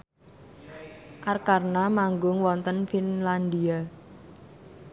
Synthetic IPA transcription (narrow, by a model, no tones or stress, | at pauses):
ʔarkarnamaŋɡʊŋwɔnt̪ənfinland̪ia